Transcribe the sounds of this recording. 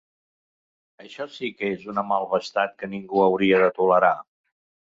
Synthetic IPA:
əʃɔsikezunəmalˠβəst̪at̪̚kəniŋɡuəwɾiəðət̪uləɾa

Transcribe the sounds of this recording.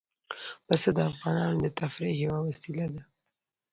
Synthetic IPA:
basad̪əafɣɑnɑnod̪ət̪afɾijawawasilad̪a

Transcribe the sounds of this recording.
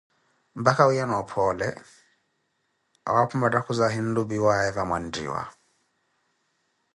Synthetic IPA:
m̩bakawujanɔpʰɔlɛ | a̰wapʰumadakuzaɦin̩lubiwaɛvamwandḭːwa̰

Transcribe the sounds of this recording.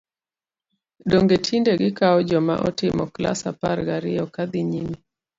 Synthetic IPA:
dɔŋɡetʰindeɡɪkaɔd͡ʒɔma̰ʔɔtɪmɔkla̰sa̰paɾɡaɾɪɔkad̪iɲimi

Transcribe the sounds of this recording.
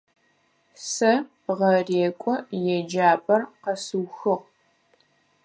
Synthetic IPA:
sɐ | ʁɐreːkʷʼɔjɛd͡ʒaːbʼɐrqɐsuwxɨʁ

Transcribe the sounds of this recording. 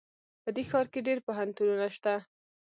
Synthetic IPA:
pəd̪exɑɾkeɖeɾpoɦant̪ununaʃt̪a

